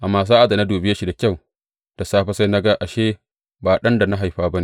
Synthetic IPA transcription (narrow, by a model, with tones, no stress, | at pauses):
ʔa˨mːaː˨s̬aː˦ʔa˨da˨na˦duː˨bɪ˦ja˦ʃi˨da˨kʲa˦˨w | d̥a˨saː˦ɸa˦sa˦jna˦ɡa˦ʔa˨ʃeː˦ | baː˨ɗɐ˦nda˨na˦ɦa˨jɸaː˦bɐ˦niː˨